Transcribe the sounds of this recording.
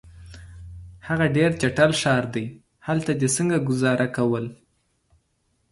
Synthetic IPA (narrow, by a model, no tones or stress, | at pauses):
haɣaɖeɾt͡ʃaʈalʃɑɾd̪əj | halt̪ad̪esəŋɡaɡʊzɑɾʔakawəl